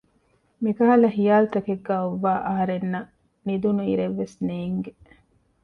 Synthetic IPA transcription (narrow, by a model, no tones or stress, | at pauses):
mikɐɦɐlɐɦijaːlut̪ɐkeɡːaːoʋːaːʔɐɦɐɾenːɐ | nid̪unuiɾeʋːesneːŋɡe